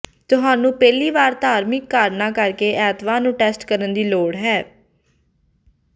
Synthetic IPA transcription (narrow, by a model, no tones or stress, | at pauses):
t̪ʊɦaːnũːpɛːliːʋaːɾd̪aːɾmɪkːaːɾnaːkəɾkeːʔɛːt̪ʋãːnũːʈɛːsʈkəɾənd̪iːloːɽɦɛː